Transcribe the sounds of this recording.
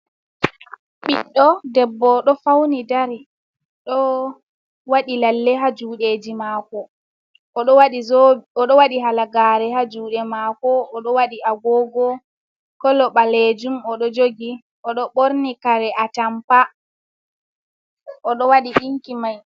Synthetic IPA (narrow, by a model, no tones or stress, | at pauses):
ɓiɗːɔdɛbːɔɗɔfawnidaɾi | ɗɔ | waɗilalːɛɦad͡ʒuːɗeːd͡ʒimaːkɔ | ɔɗɔwaɗiɔɗɔwaɗiɦalaɡaɾɛhad͡ʒuːɗɛmaːkɔːɗɔwaɗiaɡɔːɡɔ | kɔlɔɓaled͡ʒumɔɗɔd͡ʒoɡi | ɔɗɔɓoɾnikaɾɛʔatampa | ʔɔɗɔwaɗiʔiŋkimaj